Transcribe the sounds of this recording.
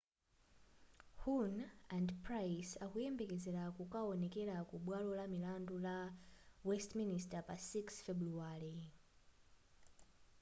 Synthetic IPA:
hunandprajsakujɛmbɛkɛzɛɾakukaɔnɛkɛɾakuɓwalɔlamilandulawɛstministapasiksfɛbɾuaɾi

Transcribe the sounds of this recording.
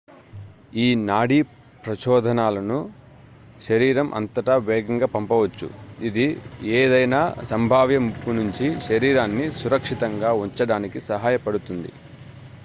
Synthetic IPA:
iːnaːɽiː | pɾɐt͡ʃɔːd̪ʱɐnaːlɐnu | ʃɐɾiːɾɐmʔɐ̰nt̪ɐʈɐʋɛːɡɐŋɡaːpɐmpɐʋɐt͡ʃːṵ | id̪ieːd̪ɐjnaːsɐmbʱaːʋjɐmupːunuɲt͡ʃiʃɐɾiːɾaːnːisuɾɐkʂit̪ɐŋɡaːuɲt͡ʃɐɽaːnikisɐɦaːjɐpɐɽut̪und̪ḭ

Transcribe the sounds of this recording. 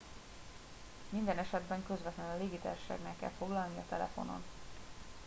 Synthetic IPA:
mind̪ɛnɛʃɛd̪bɛŋkøzvɛt̪lɛnɒleːɡit̪a̰ːrʃa̰ːɡnɛkːɛ̰lfo̞ɡlɒlniɒt̪ɛlɛ̰fo̞̰no̞̰n

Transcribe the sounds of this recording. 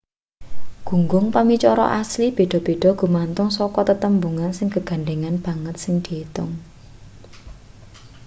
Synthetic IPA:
ɡ̥ṳŋɡʊŋpamit͡ʃɔɾɔ̰ʔaslib̥e̤ɖ̥ɔ̤b̥e̤ɖ̥ɔ̤ɡ̥ṳmant̪ʊŋsɔkɔt̪ət̪əmbuŋansɪŋkəɡ̥a̤nɖeŋanb̥ä̤ŋət̪̚sɪŋd̪̥iit̪ʊŋ

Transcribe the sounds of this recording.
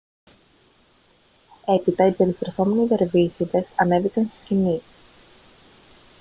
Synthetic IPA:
e̞pit̪ɐibe̞ɾist̪ɾeθo̞meniðe̞ɾvisiðe̞sɐ̰ne̞vikɐnst̪i̥scini

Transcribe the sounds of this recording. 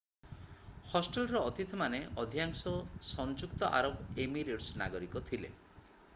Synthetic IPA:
hɔsʈelɾɔːt̪it̪ʰɔmaneʔɔd̪ʱijaŋsɔsɔnd͡ʒukt̪ɔʔa̰ɾobemiɾeʈsna̰ɡɔɾikɔt̪ʰilḛ

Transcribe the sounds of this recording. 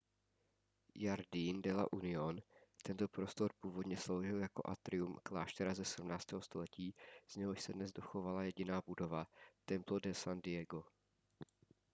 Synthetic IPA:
jaɾdindɛla̰ʔunɪont̪ɛnt̪o̞pɾo̞st̪o̞ɾpuːvo̞dɲɛslo̞wʒɪljako̞̰ʔa̰t̪ɾɪumklaːʃt̪ɛɾazɛsɛdumnaːt͡st̪ɛːɦost̪o̞lɛciːz̥ɲɛɦo̞ʃsɛdnɛzdo̞xo̞valajɛɟɪnaːbudo̞vat̪ɛmplo̞dɛsandɪjɛɡo̞

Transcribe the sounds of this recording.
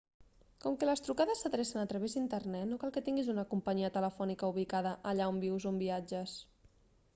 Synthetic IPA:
kɔmkələst̪ɾukaðəsːəðɾɛsənət̪ɾəβezd̪int̪ərnɛt̪nokalˠkət̪iŋɡizunəkumpəɲiət̪ələfɔnikəuβ̞ikaðəʔəʎaombiwzumbiad͡ʒəs

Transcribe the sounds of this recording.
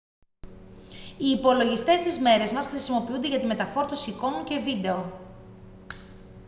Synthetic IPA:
iːpo̞lo̞ʝist̪e̞st̪izme̞ɾe̞zmɐsxɾisimo̞piund̪e̞ʝɐt̪ime̞t̪ɐfo̞ɾt̪osiko̞muce̞vid̪e̞o

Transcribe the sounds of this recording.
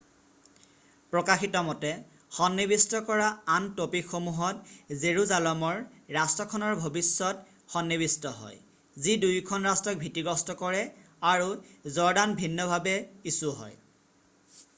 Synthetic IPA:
pɹɔkaxitɔmɔtɛ | xɔnːibistɔkɔɹaantopixomuɦɔtzeɹuzalɔmɔɹɹastɔkʰɔnɔɹbʱobisːɔt | xɔnːiβistɔɦɔ̰j | zidujkʰɔnɹastɔk̚bʱitːiɡɔstɔkɔɹɛ | aɹuzɔɹdanbʱinːɔbʱabɛisuɦɔ̰j

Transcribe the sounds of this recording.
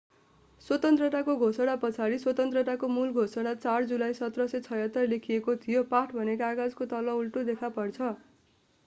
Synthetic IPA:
swʌt̪ʌnt̪rʌʈ̪akoɡʱosʌɽ̃apʌt͡sʰaɾiswʌt̪ʌnt̪rʌʈ̪akomulɡʱosʌɽat͡sard͡zulajsʌt̪rʌsʌt͡sʰʌjʌt̪ʌrlekʰijekot̪ʰijopaʈʰbʱʌnekaaɡad͡zkot̪ʌlʌulʈud̪ekʰapʌrt͡sʰʌ

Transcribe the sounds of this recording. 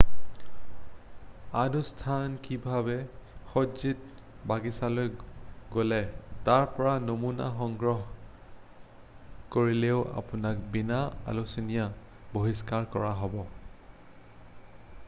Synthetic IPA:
adustʰankibʱabɛxozit̚ | baɡisalojɡolɛtaɹpɔɹanomuna̰xɔŋɡɹɔɦ | koɹileʊa̰pʊnak̚binaa̰lusinija | boɦiskaɹkɔɹaɦɔbɔ

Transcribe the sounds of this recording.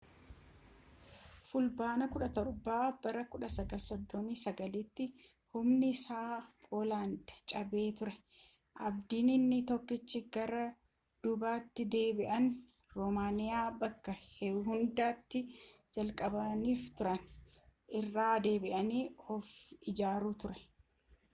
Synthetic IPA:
fʊlbaːnɐkʊᶑɐt̪ɔɾbaːb̥ɐɾɐkʊᶑɐsɐɡɐlsɔd̪ːɔmiːsɐɡɐlɪt̪ːɪ | hʊmnɪsaːpʼoːlaːnd̪ɐ̥t͡ʃʼɐbe̞ːt̪ʊɾɛ | ʔɐbd̪iːnɪnːɪt̪ɔkːɪt͡ʃːɪɡɐɾɐ | d̪̥ʊbaːt̪ːɪd̪e̞ːbɪʔɐn | ɾɔmaːnɪjaːbɐkːɐhɛɦʊnd̪aːt̪ːɪ | d͡ʒɐlkʼɐbɐniːft̪ʊɾɐn | ʔɪrːaːd̪e̞ːbɪʔɐniːɔfɪd͡ʒaːɾuːt̪ʊɾɛ̥

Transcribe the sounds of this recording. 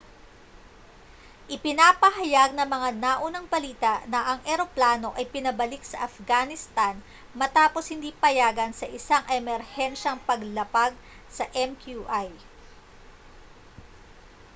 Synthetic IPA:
ʔɪpɪnapɐɦɐjaɡ̚nɐmɐŋanaʔunɐŋbɐliːt̪ɐʔnɐʔɐŋʔɛɾo̞plaːno̞ʔɐjpɪnɐbɐlɪksɐʔɐfɡanɪst̪an | mɐt̪aːposhɪnd̪iːpɐjaːɡɐnsɐʔɪsaŋʔɛmɛɾhɛnʃɐŋpɐɡlɐpaɡ̚ | sɐʔɛmkjuʔaj

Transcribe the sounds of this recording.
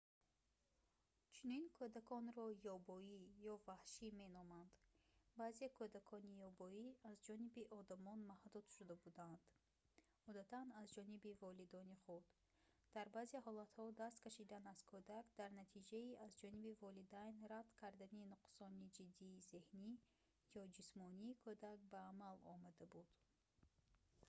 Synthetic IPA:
t͡ʃʰuninkʰod̪akʰɔnɾɔjɔbɔijɔvahʃime̞nɔmand̪̥baːzekʰod̪akʰɔnijɔbɔiazd͡ʒɔnibiʔɔd̪amɔnmahd̪ud̪̥ʃud̪abud̪and̪̥ | ɔd̪at̪ʰanazd͡ʒɔnibivɔlid̪ɔniχud̪ | d̪̥aɾbazeɦɔlat̪hɔd̪ast̪kʰaʃid̪anaz̥kʰod̪akd̪aɾnat̪ʰid͡ʒaiazd͡ʒɔnibivɔlid̪ajnrad̪kʰaɾd̪aninuqsɔnid͡ʒid̪ːiːze̞hni | jɔd͡ʒismɔniːkʰod̪ak̚baːmalɔ̰mad̪abud̪̥

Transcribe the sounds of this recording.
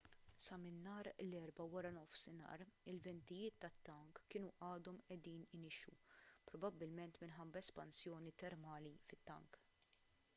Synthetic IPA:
sɐmɪnːɐːɾlɛɾbɐwɐɾɐnɔfsɪnɐ̰ːɾɪlvɛnt̪ɪjɪːt̪ːɐt̪ːɐŋkːɪːnuʔɐːd̪ɔmɛd̪iːnɪnɪʃupɾɔbɐbːɪlmɛnt̪mɪnħɐbːɐɛspɐnsjɔːnit̪ɛɾmɐːlifɪt̪ːɐ̰ŋk

